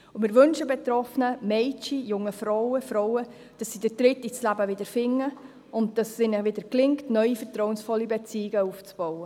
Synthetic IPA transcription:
umɪːɾʋønʃəbetɾɔfənəmɛɪt͡ʃijʊŋːəfɾɔwəfɾɔwə | d̥ɑsːid̥əd̥ɾɪtit͡slæbəʋɪdəɾfɪŋːə | ʊnt̚d̥ɑssenəʋɪdəɾklɪŋktnœɥifətɾɔwənsfɔlːibet͡siːɪɡəuft͡sb̥ɔwə

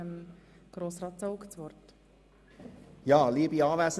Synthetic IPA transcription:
əm | ɡ̥ɾoːsrɑːt̪t͡sowkt͡sʋɔrt | jɑːliəbiɑːvæːsə

